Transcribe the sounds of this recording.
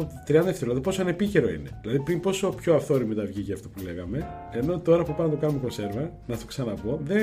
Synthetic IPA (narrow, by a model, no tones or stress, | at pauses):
t̪ɾiɐnd̪ɐet̪eɾlɐðopo̞soɐne̞pice̞ɾo̞ḭne̞ðilɐðipɾimpo̞so̞pçoɐfθo̞ɾimit̪ɐvʝiceɐft̪opule̞ɣɐme̞eno̞t̪o̞ɾɐpupɐnɐt̪okɐnumeko̞nse̞ɾvɐ | nɐt̪oksɐnɐpo̞ðe